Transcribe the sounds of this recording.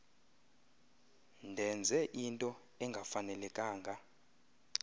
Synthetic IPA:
ndʱɛnd͡zʱɛʔintʼɔ | ɛŋɡʱafanɛlɛkʼaːŋɡʱa

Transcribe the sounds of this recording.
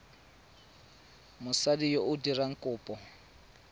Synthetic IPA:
mʊsadijoʔʊdiraŋ̩kʼʊːpʼɔ

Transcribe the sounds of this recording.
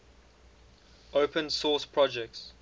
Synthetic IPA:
opʰə̃nsɔːˑspʰɹɔd͡ʒɛk̚ts

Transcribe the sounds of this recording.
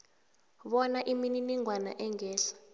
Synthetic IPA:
ɓɔnaʔimininiŋwana̰ʔɛŋɛːɬḁ

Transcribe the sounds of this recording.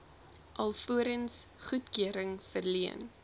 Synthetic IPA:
ʔɐlˠfuəɾənsχutkyəɾəŋfərliən

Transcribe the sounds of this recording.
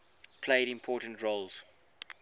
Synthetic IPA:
pʰleɪɾɪ̃mpʰɔːˑtə̃ntɹoʊlz̥

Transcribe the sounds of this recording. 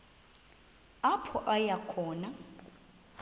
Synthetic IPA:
apʰɔʔajakʰɔːna

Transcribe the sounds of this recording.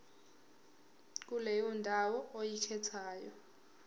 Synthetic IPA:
k̬ulɛjɔndʱawɔojikʰɛtʰaːjɔ

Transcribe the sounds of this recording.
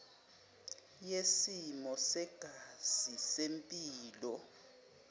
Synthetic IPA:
jesimɔsɛɡ̥ʱaz̥isempʼiːlɔ

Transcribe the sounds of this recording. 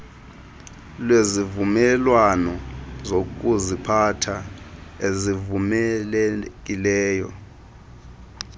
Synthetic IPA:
lwezivumɛlwanɔzok̬ʼuzipʰatʰaezivumɛlɛk̬ʼilɛːjɔ̰

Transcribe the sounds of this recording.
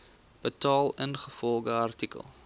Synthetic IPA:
b̥ətɑːlˠənχəfɔlˠɡəɐrtikə̰lˠ

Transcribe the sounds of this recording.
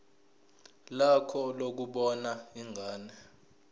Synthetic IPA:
lakʰɔlok̬uɓɔnaiŋʱaːnɛ

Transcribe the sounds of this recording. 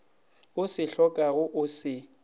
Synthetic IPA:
ʊsɪɬɔkʼaɣʊʔʊsɪ

